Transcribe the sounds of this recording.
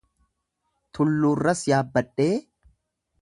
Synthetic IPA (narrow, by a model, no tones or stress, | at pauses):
t̪ʰʊlːuːrːɐsjaːbːɐᶑːe̞ː